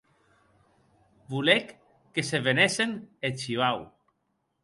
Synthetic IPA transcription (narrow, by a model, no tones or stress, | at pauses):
bulekː | eseβenesenet͡ʃiβaw